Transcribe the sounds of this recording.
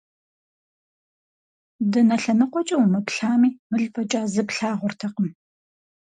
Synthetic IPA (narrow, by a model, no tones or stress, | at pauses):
dɐnɐɬɐnɨqʷɔt͡ʃʼɐwmɨpɬaːmiːmɨɮpʰɐt͡ʃʼaːzɨpɬaːʁʷʊrtʰɐqəm